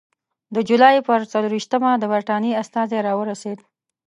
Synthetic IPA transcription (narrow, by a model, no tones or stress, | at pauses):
d̪əd͡ʒulɑjpəɾt͡saluɾiʃt̪əmad̪əbəɾʈɑneast̪ɑzeɾɑwəɾased̪